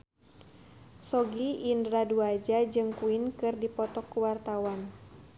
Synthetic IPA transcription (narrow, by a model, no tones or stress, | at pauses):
sɔɡiʔːndɾaduad͡ʒad͡ʒɨŋkuinkɨrdipɔt̪ɔkːuwart̪awan